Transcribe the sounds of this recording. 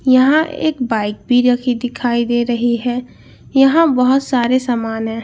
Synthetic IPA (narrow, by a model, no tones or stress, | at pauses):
jɐɦãʔḛːkbaːɪk̚bʱiɾɐkʰid̪ɪkʰaːid̪eːɾɐɦiɦɛ | jɐɦãbɐɦʊt̪saːɾesaːmaːnɦɛ̃ː